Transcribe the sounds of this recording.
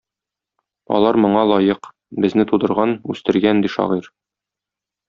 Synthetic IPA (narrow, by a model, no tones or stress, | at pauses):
ɒ̰lˠɑɾmŏɴɑlˠɒjɤq | bɘ̆znɘt̪ud̪ɤ̆ɾʁɑnʉst̪ɘ̆ɾɡænd̪iʃɒ̰ʁiɾ